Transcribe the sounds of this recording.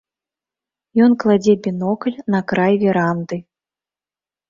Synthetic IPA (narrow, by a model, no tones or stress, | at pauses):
jɔnklˠad͡zʲɛbʲinɔkɐlʲnɐkɾajvʲɛɾand̪ɨ